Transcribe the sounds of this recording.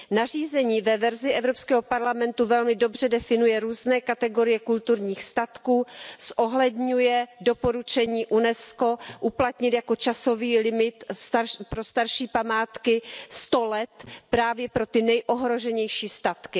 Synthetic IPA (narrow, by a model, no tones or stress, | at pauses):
nar̝iːzɛɲiːvɛvɛɾzɪʔɛvɾopskɛːɦopaɾlamɛnt̪uvɛlmɪdo̞br̝ɛdɛfɪnujɛɾuːznɛːkat̪ɛɡo̞ɾɪjɛkult̪uɾɲiːxst̪at̪kuːsʔoɦlɛdɲujɛdo̞po̞ɾut͡ʃɛɲiːʔunɛsko̞ʔuplat̪ɲɪt̪jako̞t͡ʃaso̞viːlɪmɪt̪sapɾost̪aɾʃiːpamaːt̪kɪst̪olɛt̪pɾaːvjɛpɾo̞t̪ɪnɛjʔoɦɾo̞ʒɛɲɛjʃiːst̪at̪kɪ